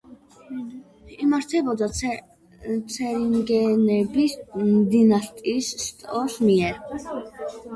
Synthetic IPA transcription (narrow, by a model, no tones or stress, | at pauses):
imaɾt̪ʰɛbɔd̪ɔ | t͡sʰɛɾiŋɡɛnɛbisd̪inaɬt̪ʼisːt̪ʼɔsmiɛɾ